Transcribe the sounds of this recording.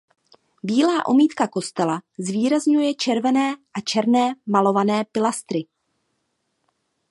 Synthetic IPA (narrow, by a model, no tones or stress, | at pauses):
biːlaːʔo̞̰miːt̪kako̞st̪ɛlazviːɾazɲujɛt͡ʃɛɾvɛnɛːʔat͡ʃɛɾnɛːmalo̞vanɛːpɪlast̪ɾɪ